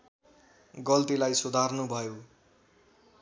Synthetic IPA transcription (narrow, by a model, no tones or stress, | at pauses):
ɡʌlt̪ilajsud̪ʱarnubʱʌjo